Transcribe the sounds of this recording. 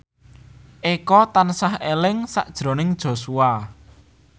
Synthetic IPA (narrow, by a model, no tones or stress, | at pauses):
ʔekɔt̪ansahelɪŋsa̰ʔd̥ʒ̥ɾo̤nɪŋd̥ʒ̥o̤sua